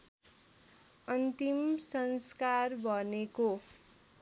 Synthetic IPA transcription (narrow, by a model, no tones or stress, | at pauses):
ʌnt̪imsʌnskarbʱʌneko